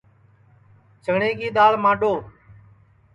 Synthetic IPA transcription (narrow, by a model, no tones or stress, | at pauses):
t͡ʃʰəɡɳẽːɡiːɗ̪aːɭmãːɗoː